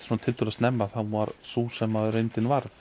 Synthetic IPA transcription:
svuːnat̪ʰɪlt̪ulast̪nɛmːaθawvaɾsuːsɛmːaðʏɾejnt̪ɪnvaɾð

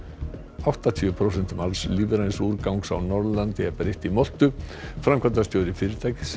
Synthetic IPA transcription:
awht̪at̪ʰiːʏpʰɾowsɛn̥t̪ʏmalsliːvɪɾajnsuɾkawŋksa̰wnɔɾðʏlant̪ɪɛpaɾejht̪imɔl̥t̪ʏfɾamkʰvant̪̬ast̪joːwɾɪfɪːɾɪɾt̪ʰaːjcɪs

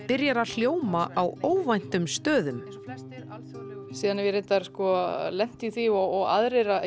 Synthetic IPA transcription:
pɪɾjaɾaðl̥joːwmaʔawoːwvajn̥t̪ʏmst̪œːðʏm | a̰lsiːðanvɪɾent̪aɾskɔlɛn̥t̪iθiɔɔɣa̰ðɾeɾa

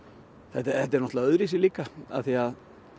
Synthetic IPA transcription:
θɛt̪θɛt̪ːɛɾnɔt̪aœðɾisɪliːkaa̰θiað

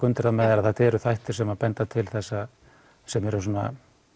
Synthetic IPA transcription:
kʏnt̪ɪɾamɛːðɪɾaðθat̪ʰɛɾʏθajht̪ʏɾsɛmaðpɛnt̪at̪ʰɪlθɛsːa | sɛmɛɾʏs̬ɔna̰

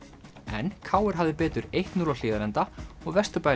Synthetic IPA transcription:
ɛ̰nkʰaːwɛɾ̥ɦavðɪpɛːt̪ʏɾejht̪nuːlal̥ɪːðaɾɛnt̪aɔɣvɛst̪ʏpaːj

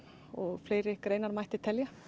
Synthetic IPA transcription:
ɔɣfleːjɾɪkɾeːjnaɾmajht̪ɪt̪ʰɛlja

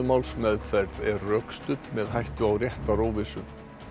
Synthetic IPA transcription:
ʏmawlsmɛðfɛɾðɛɾːœkst̪ʏt̪mɛðɦajht̪ʏawrjɛht̪aɾoːwvɪsʏm

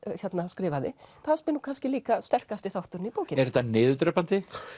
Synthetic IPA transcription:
çjɛt̪naskɾɪːvaðɪθaðspɪnuːkʰanscɪliːkast̪ɛr̥kast̪ɪθawht̪ʏɾnipuːcɪnɛɾɛt̪ːanɪːðʏt̪ɾɛpant̪ɪ

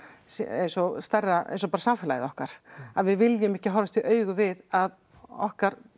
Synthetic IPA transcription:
sḛjnsɔst̪ɛrːaʔḛjnsɔpaːɾasaɱfɪlajɪðɔhkaɾ̥aðvɪðvɪljʏmɪhcɪɦɔwɾvast̪ʰiʔœːɥɣʏvɪðað | ɔ̰hkaɾ

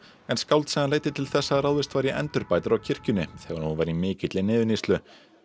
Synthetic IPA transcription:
ɛnskawlt̪sɛɣanleːjt̪ɪt̪ʰɪlθɛsːaɾawðɪst̪vaːjɾjɪʔɛnt̪ʏɾpaːjt̪aɾawcʰɪr̥cʏnːɪθɛːɣaɾunvajɾimɪːcɪt̪lɪnɪːðʏnislʏ

